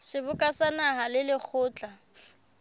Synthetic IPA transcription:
sɪbʊkʼasanaɦalɪlɪk͡xʰʊːt͡ɬʼa

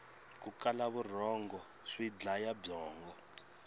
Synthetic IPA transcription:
kukalaβur̤ɔŋɡɔ | ʂwid͡ɮajabɔːŋɡɔ

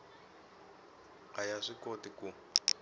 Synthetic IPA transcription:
ajaʂikotiku

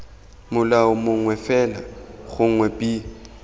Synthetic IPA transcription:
mʊlaʊmʊŋwɛfɛla̰χʊŋ̩ŋwɛpʼi

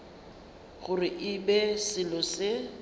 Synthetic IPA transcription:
ɣʊrɪʔɪbɛsɪlɔsɪ

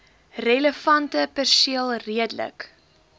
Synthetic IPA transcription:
rələfɐntəpɛrsiəlˠriədlə̰k

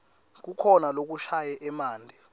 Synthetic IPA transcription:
k̬ukʰɔnalok̬uʃajɛʔɛmaːndʱɛ

